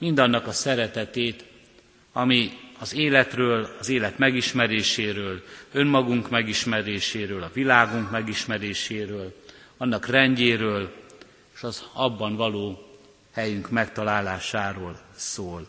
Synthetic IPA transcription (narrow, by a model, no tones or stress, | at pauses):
mind̪ɒnːɒkɒsɛɾɛt̪ɛt̪eːt̪ | ɒmiɒzeːlɛt̪røːlɒzeːlɛt̪mɛɡiʃmɛɾeːʃeːɾøːlø̞mmɒɡuŋkmɛɡiʃmɛɾeːʃeːɾøːlɒvilaːɡuŋkmɛɡiʃmɛɾeːʃeːɾøːl | ɒnːɒkrɛɲɟeːɾøːl | eʃɒzɒbːɒnvɒloː | hɛjyŋkmɛkt̪ɒlaːlaːʃaːɾoːlsoːl